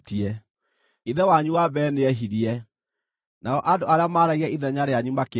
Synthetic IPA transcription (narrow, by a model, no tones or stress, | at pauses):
tiɛ | iðɛwaɲuwabɛːneɛɦiɾiɛ | naɔʔandoaɾeamaɾaiɣɛiðɛɲaɾeaɲumake